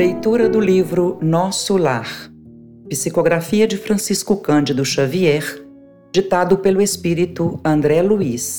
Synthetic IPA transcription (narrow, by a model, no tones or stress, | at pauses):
lejt̪uɾɐd̪ʊlivɾʊnɔsʊlaɾ | pisikoɡɾafiɐd͡ʒɪfɾɐ̃siskʊkɐ̃d͡ʒɪd̪ʊʃaviɛɾ | d͡ʒit̪ad̪ʊpelʊespiɾit̪ʊɐ̃nd̪ɾɛluis